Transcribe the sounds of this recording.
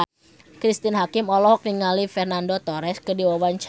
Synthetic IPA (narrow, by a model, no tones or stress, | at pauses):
kɾist̪inɦakɪmɔlɔɦɔk̚niŋalifɛrnandot̪ɔɾɛskədiwawant͡ʃ